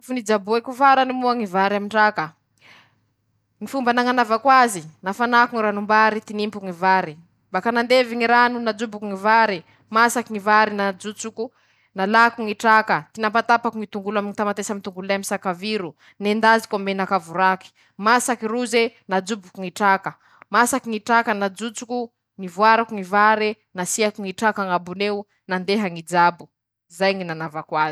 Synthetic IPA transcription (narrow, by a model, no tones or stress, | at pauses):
funid͡zabuekuvaɾanimuaŋivaɾamiɳʈ͡ʂakə | ŋifumbanaŋanavakwazinafanakuŋiɾanumbaɾit̪inimpuŋivaɾi | mbakanand̪eviŋiɾanunad͡zubukuŋivaɾi | masakiŋivaɾinad͡zut͡suku | nalakuŋiʈ͡ʂakət̪inapat̪apakuŋit̪uŋɡulamiŋit̪amat̪esamit̪uŋɡululajamisakaviɾu | nend̪azi̥kamenakavuɾaki̥ | masakiɾuzenad͡zubukuŋiʈ͡ʂakə | masakiŋiʈ͡ʂakənad͡zut͡suku | nivwaɾakuŋivaɾi | nasiakuŋiʈ͡ʂakaŋabuneu | nand̪eɦaŋid͡zabu | zajŋinanavakwaz